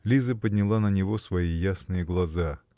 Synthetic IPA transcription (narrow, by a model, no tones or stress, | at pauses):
lʲizəpədʲnʲɪlˠanənʲɪvo̞svɐijasnɨjəɡlˠɐza